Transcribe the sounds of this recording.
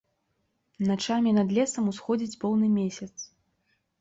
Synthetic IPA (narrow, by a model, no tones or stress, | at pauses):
nat͡ʂamʲinɐd̪lʲɛsɐmusxɔd͡zʲid͡zʲpɔwnɨmʲesʲɐt̪s